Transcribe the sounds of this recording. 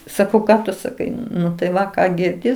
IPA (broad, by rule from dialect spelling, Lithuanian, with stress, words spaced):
sɐˈkɐʊ ˈkɑː tʊ sɐˈkɐɪ nʊ tɐɪ ˈʋɐ ˈkɑː ɡʲɪrʲˈdʲɪ